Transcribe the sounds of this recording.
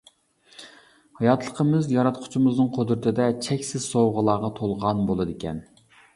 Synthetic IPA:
hɑjɑt̪ʰlˠəqʰəmɪzjɑɾɑt̪̚qʰʊ̥t͡ʃʰimɨznɨŋqʰod̪ɾɪt̪ʰɪd̪ɛt͡ʃʰɛkʲsɪz̥sowʁəlˠɑːʁɑt̪ʰolˠʁɑnbolˠɨd̪ɪkʲʰɛ̰n

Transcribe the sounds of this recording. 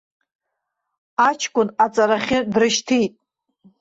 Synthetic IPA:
at͡ʃʰkʷʼʊnat͡sʼaɾaχʲɪdrɨʃtʰijtʼ

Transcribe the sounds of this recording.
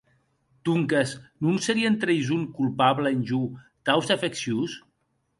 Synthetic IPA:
t̪uŋkesnunseɾient̪ɾejzunkulˠpaβləenʲʒu | t̪awzafeksjus

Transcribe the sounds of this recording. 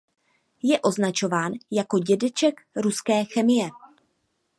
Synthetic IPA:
jɛʔo̞znat͡ʃo̞vaːnjako̞ɟɛdɛt͡ʃɛkɾuskɛːxɛmɪjɛ

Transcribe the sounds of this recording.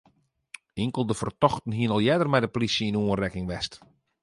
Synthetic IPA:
ɪŋkəlˠdəfərtɔxtən̩ɦiənɔlˠjɛdərmɛjdəplisjəinuənrɛkɪŋʋɛst

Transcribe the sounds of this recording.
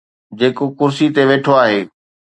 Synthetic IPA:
d͡ʑeːkokʊɾsit̪eʋeːʈʰoaːɦeː

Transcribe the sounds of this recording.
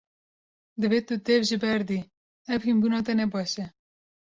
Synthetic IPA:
d̪ɨvet̪ut̪ɛvʒɨbɛɾd̪i | ɛvhinbunɑːt̪ɛnɛbɑːʃɛ

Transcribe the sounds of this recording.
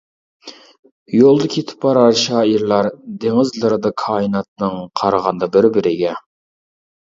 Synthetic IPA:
jolˠd̪ɑkʲʰet̪ʰɪ̥p̚bɑɾɑɾʃɑːiɾlˠɑɾd̪eŋɪzlˠɨɾɨd̪ɑkʰɑːinɑt̪̚nɨŋqʰɑɾɑʁɑnd̪ɑbɪɾbɪɾɪɡʲɛ

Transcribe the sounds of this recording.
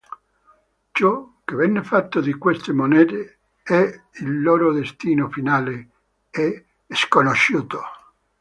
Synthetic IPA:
t͡ʃɔkːevɛnːefat̪ːod̪ikwest̪emonɛːt̪e | ɛ | ilːoːɾod̪est̪iːnofinaːle | e | skonoʃːuːt̪o̥

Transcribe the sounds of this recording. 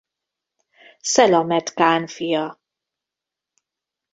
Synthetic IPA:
sɛlɒmɛt̪kaːnfijɒ

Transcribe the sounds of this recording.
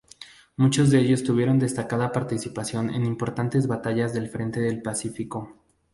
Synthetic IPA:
mut͡ʃo̞zðe̞eʝo̞st̪uβje̞ɾo̞nd̪e̞st̪akaðapaɾt̪isipasjo̞ne̞̰nimpo̞ɾt̪ant̪e̞zβat̪aʝazðe̞lfɾe̞nt̪e̞ðe̞lpasifiko̞

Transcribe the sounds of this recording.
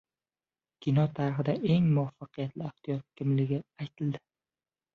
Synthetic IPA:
kʲʰinɒt̪ʰaɾɪχɪd̪aʔe̞ŋmʊafːɑqʰɨjat̪lɪɪht̪ijɒt̪̚kʲʰɪmlɪɡʲɪajt̪ʰɪld̪ɪ̥

